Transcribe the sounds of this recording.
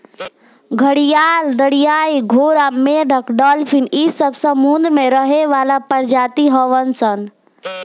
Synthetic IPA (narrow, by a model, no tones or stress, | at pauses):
ɡʱəɽijaːld̪əɽijaːiɡʱoːɾameɖʱəkɖəlpʰinisəbsə̃mund̪ɾmẽɾəɦeʋaːlapəɾd͡ʒaːt̪iɦəʋənsən